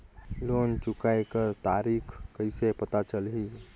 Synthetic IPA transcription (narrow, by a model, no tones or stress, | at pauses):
loːnt͡ʃʊkaːjkəɾt̪aːɾiːkʰkəɪsepət̪at͡ʃəlɦi